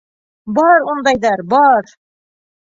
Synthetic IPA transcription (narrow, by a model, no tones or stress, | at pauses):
bɒɾund̪ɑjd̪ɑɾbɑɾ